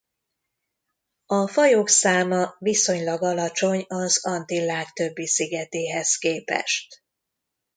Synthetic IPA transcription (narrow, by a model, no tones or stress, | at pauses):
ɒfɒjoːksaːmɒviso̞ɲlɒɡɒlɒt͡ʃo̞ɲɒzɒnt̪ilaːkt̪ø̞bːisiɡɛt̪eːɦɛskeːpɛ̰ʃt̪